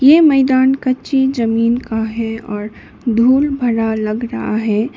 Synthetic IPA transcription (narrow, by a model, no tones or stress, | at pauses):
jemɛɪd̪aːnkət͡ʃid͡ʒəmiːnkaɦɛɔːɾ | d̪ʱuːlbʱəɾaləɡɾəɦa̰ɦɛ